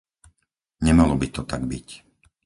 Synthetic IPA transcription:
ɲɛmalɔbit̪ɔt̪aɡbic

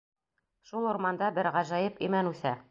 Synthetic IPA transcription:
ʃulˠŏɾmɑnd̪ɑbɘɾʁæʒæjɤpimænʉθæ

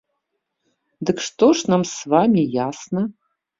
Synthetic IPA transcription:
d̪ɨkʂt̪oʂnamsvamʲijasnɐ

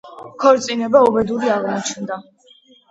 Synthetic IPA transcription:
kʰɔɾt̪sʼinɛbaɔbɛd̪uɾiaʁnat͡ʃʰnd̪a

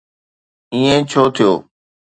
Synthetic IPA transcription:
ĩːẽːt͡ʃʰoːt̪ʰɪjoː

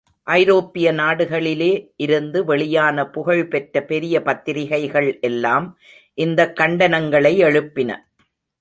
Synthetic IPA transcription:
ʔɐɪɾoːpːɪjɐnaːɽɯɣɐɭɪleːʔɪɾɯnd̪ɯʋɛɭɪjaːnɐpʊɣɐɻpɛʈrɐpɛɾɪjɐpɐt̪ːɪɾɪɣɐɪɣɐɭʔɛlːaːm | ʔɪnd̪ɐkːɐɳɖɐnɐŋɡɐɭɐɪɛɻɯpːɪnɐ̰

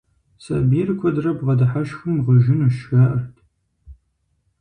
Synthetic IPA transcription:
sɐ̰biːrkʷʰɔdrɐbʁɐdɐħaʃxɨmʁəʒɪnuʃxɐʔɐrtʰ

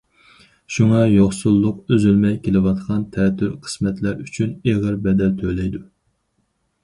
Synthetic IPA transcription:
ʃuŋɑjoχsulˠːʊqøzylmɛjkʲʰelɪwɑt̪qʰɑnt̪ʰɛt̪ʰːyɾqʰə̥smɛt̪læɾyt͡ʃʰyneʁəɾbɛd̪ɛlt̪ʰølɛjd̪u

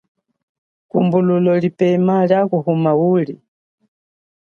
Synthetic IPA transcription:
kumbululɔlipɛmaljakuhumauːli

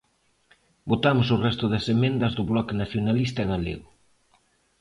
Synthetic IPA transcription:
bot̪amʊsʊrɛst̪ʊðɐsemẽnd̪ɐzðʊβlɔkenaθjonalist̪ɐɣalḛɣʊ

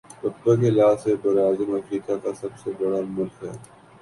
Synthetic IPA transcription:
pɐtːãkelaːseb̪ɐɾaːzɪmɐfɾiːkakasɐbsebɐɽamʊlkɦɛ̰ː

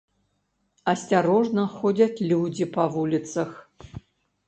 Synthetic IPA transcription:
asʲtʲaɾoʐnɐxodʲatlʲudʲipʰɐvulʲitt͡sʰɐx

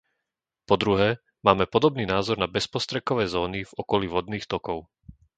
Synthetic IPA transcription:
pɔd̪ɾuɦɛː | maːmɛpɔd̪ɔbniːnaːzɔɾnabɛspɔst̪ɾɛkɔʋɛːzɔːnivɔkɔliʋɔd̪niːxt̪ɔkɔʊ

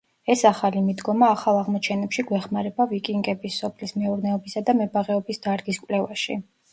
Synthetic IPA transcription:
ɛsaχalimid̪ɡɔmaːχalˠaʁmɔt͡ʃʰɛnɛpʃiɡwɛχmaɾɛbavikʼiŋɡɛbisːɔpʰlismɛuɾnɛɔbisad̪amɛbaʁɛɔbisd̪̥aɾɡiskʼwlɛvaʃḭ

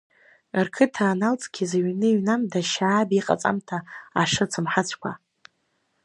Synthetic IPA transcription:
rkʰɨtʰaːnalt͡sʼɡʲʰizaɥnɨɥnamdaʃaːbiqʼa̰t͡sʼa̰mtʰaːʂɨt͡sʰɨmħat͡ɕʷʰkʷʰa

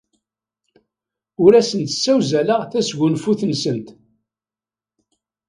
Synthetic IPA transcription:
ʊɾæsənt̪sːæwzælaʁθæsʝunfuθnsənt̪

